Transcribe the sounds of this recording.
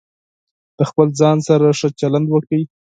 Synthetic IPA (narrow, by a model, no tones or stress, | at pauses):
d̪̥əxpəlzɑnsaɾaʂət͡ʃaland̪wəkəi